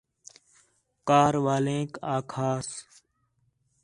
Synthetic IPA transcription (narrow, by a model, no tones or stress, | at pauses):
kaːɾʋaːlẽːkaːkʰaːs